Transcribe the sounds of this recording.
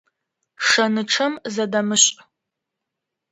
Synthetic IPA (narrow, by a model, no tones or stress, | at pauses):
ʂɐnɨʈ͡ʂʰɐmzɐdɐmɨɕʼ